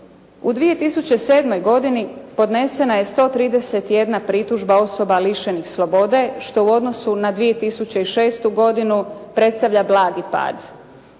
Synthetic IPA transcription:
ud̪ʋije̞t̪isut͡ɕe̞se̞ːd̪mo̞jɡo̞d̪inipo̞d̪ne̞se̞naje̞st̪o̞t̪ɾiːd̪e̞se̞t̪je̞d̪napɾit̪uʒbao̞so̞baliʃe̞nixslo̞bo̞d̪e̞ʃt̪o̞uo̞d̪no̞sunad̪ʋije̞t̪isut͡ɕe̞iʃe̞ːst̪uɡo̞d̪inupɾe̞t̪st̪aʋʎablˠaːɡipa̰ːd̪

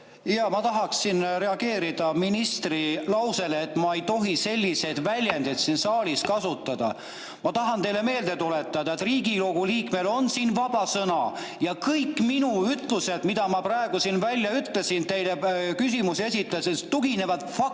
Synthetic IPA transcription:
jɑmɑt̪ɑɦɑksːinre̞ɑɡe̞ːɾid̪̥ɑminist̪rilɑwse̞leːt̪ːˑmɑe̞jt̪o̞ɦise̞lʲːise̞d̪vælʲjend̪̥ed̪siːnsɑːliskɑsut̪ːˑɑd̪̥ɑ̰ | mɑt̪ɑɦɑnt̪e̞jle̞me̞ːld̪̥et̪ule̞t̪ːˑɑd̪ɑe̞t̪riːɡiloɡ̥uliːkmelo̞nsiːnvɑb̥ɑsɤnɑ | jɑkɤjkːˑminuyt̪ˑluse̞d̪mid̪̥ɑmɑprɑe̞ɡ̥usinvælʲjɑyt̪le̞sint̪e̞jlekysimuse̞sit̪ːˑɑsest̪uɡ̥ine̞vɑd̪̥fɑk̚

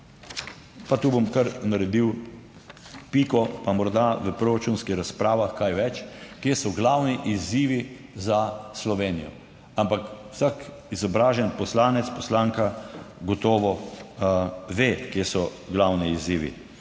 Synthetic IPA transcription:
pat̪uːbomkaɾnaɾɛd̪iw | piːkɔpamɔɾd̪aʋəpɾoɾat͡ʃuːnskixɾaspɾaːʋaxkajʋɛt͡ʃkjesɔɡlawniʔiziːʋi | zaslɔʋeːnijɔ̰ | ampakw̥sak | izɔbɾaːʒɛnpɔslaːnɛt̪spɔslaːŋkaɡɔt̪ɔːʋɔ | ʋeːkjesɔɡlawniːziːʋḭ

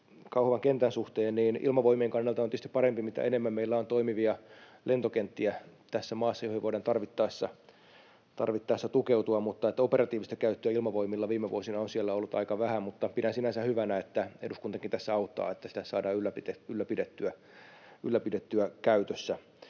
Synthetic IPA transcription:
kɑuhʋɑŋkent̪ænsuht̪eːnniːnʔḭlmɑʋoimiːŋkɑnːelt̪ɑont̪yest̪i̥pɑɾempimit̪æ̰ʔenemːæmmeilːæont̪oimiʋiɑlʔent̪okent̪ːiæt̪æsːæmɑːsːɑjohiʋoiɾɑnt̪ɑrʋit̪ːɑisːɑ | t̪ɑ̰rʋit̪ːɑisːɑt̪ukeut̪uɑmut̪ːɑet̪ːæoperɑt̪iːʋist̪ækæyt̪ːøæilmɑʋoimilːɑʋiːmeʋṵosinɑonsielːæolːut̪ɑ̰ikɑʋæhæmut̪ːɑpidænsinænsæhyʋænæet̪ːæeduskunt̪ɑkint̪æsːæɑut̪ːˑɑ̰ːet̪ːæsi̥t̪æsɑːdɑːylːæpit̪eylːæpidet̪ːyæ | ylːæpidet̪ːyækæyt̪øsːæ

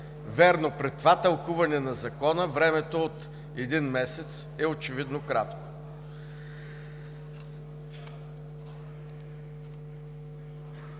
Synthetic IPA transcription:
vɛɾnopɾɛt̪ːvat̪ɐlˠkuvɐnɛnɐzɐkɔnəvɾɛmɛt̪oot̪ | ɛd̪inmɛsɛt̪s | ɛot͡ʃɛvid̪nokɾat̪ko̥

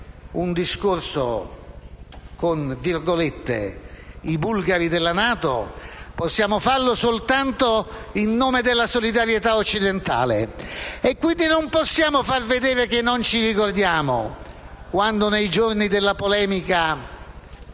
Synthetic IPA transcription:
und̪iskorso̰ | konvirɡolet̪ːḛibulɡaɾid̪elːanaːt̪o̰posːjaːmofarlosolt̪ant̪o | inːoːmed̪elːasolid̪aɾjet̪aot͡ʃːid̪ent̪a̰ːleekːwind̪inomposːjaːmofarved̪eːɾekenːont͡ʃiɾikord̪jaːmo̰ | kwand̪onejd͡ʒornid̪elːapolɛːmika

